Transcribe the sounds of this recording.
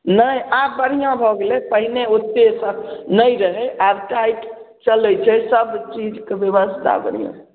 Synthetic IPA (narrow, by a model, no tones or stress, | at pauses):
nəjabəɾ̤ijãbʱɔɡelepəɦineut̪ːesə̃nəjɾəɦɛʔabʈajk | t͡ʃəlɛt͡ʃʰɛsəbt͡ʃid͡ʒkebeʋəsd̪a̰bəɽ̤ijã̰